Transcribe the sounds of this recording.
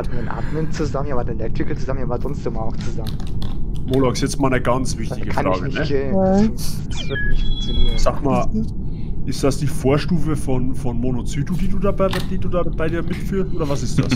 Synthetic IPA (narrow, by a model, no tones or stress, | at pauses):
atndənʔa̰ːtmənt͡suzamənjabɐdelɛk̚tʁɪkət͡suzamənaːvaɐdʁʊnsd̥emaʊxt͡suzamənmolakɪ̥sjɛt͡stmaːlnəɡant͡sv̥ɪçtɪɡəfanʁa̰ːɡəɪnəɡeː | sv̥ɪklɪçt͡sɪɪçz̥aːkmaːl | ʔɪstd̥asd̥iːfoːɐʃtuːfəfɔnfɔnmonot͡syːdud̥iːduːdaːbd̥iːduːdab̥aɪdiːɐmɪtfyːɐstʔoːdɐvasɪstd̥a̰s